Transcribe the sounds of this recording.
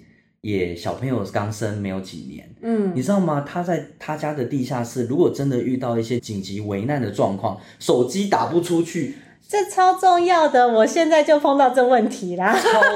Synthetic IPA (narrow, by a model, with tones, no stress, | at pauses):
jɛ˨˩ɕjɑ˨˩ʊpʰə˧˦ŋjo˨˩ʊkɑ˦ŋsə˦˥nme˧˥ɪjo˨˧˩ʊt͡ɕḭ˨˩njɛ̰˧˦n̩˥i˨˩ʈ͡ʂɻ̩˥d̪ɑ˥˩ʊma˨t̪ʰa˥t͡sa˥˧ɪt̪ʰa˥˧t͡ɕja˥d̪ə˨t̪i˥˧ɕja˥˧ʂɻ̩˥˩ɻu˧˥kwɔ˨˩ʈ͡ʂə˦nd̪ə˨ʔy˥˧t̪ɑ˥˧ʊi˥˩ɕjɛ˦˥t͡ɕi˨˩ŋt͡ɕi˨˦we˧˥ɪna˥˩nd̪ə˩ʈ͡ʂwɑ˥˧ŋkʰwɑ̰˥˩ŋ | ʂo˨˩ʊt͡ɕi˦t̪a˨˩pu˥˩ʈ͡ʂʰu˦t͡ɕʰy˥˩ | ʈ͡ʂə˥˧t͡sʰɑ˥ʊʈ͡ʂʊ˥˧ŋjɑ˥˩ʊd̪ə˨wɔ˨˩ɕjɛ˥˧nt͡sa˥˧ɪt͡ɕjo˥˧ʊpʰo˥˧ŋt̪ɑ˥˧ʊʈ͡ʂɤ˥˧wə˥˩nt̪ʰi˨˦la˧